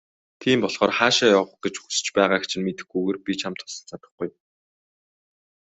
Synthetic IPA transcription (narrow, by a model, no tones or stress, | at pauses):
t̪ʰiːmpɔɮχɔːrχaːʃaːjɔːʁ̆χɡet͡ɕxu̥sɘ̥̆t͡ɕpæːʁaːxt͡ɕʰɪ̆nmet̪ɘ̆xɡuɣeːrpʲit͡ɕʰamt̪ʰʊ̥sɞ̆ɮt͡sat̪ə̆χɡuj